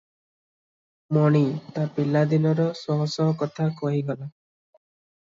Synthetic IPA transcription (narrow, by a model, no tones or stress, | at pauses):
mɔɽ̃it̪apilad̪inɔɾɔsɔɦɔsɔɦɔkɔt̪ʰakɔɦiɡɔla